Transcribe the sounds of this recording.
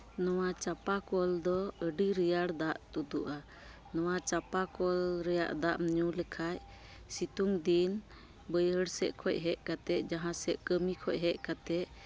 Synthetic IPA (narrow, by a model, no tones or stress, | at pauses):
nɔwat͡ʃapakɔld̪ɔəɖiɾijaɽd̪aʔt̪ud̪uʔa | nɔwat͡ʃapakɔlɾɛja̰ʔd̪aʔmɲulɛkʰaj | sit̪uŋd̪in | bəjɦəɽsɛʔkʰɔc̚ɦɛʔ̚kat̪ɛʔˀd͡ʒaɦãsɛʔkəmikʰɔʔ̚ɦɛʔkat̪ɛʔ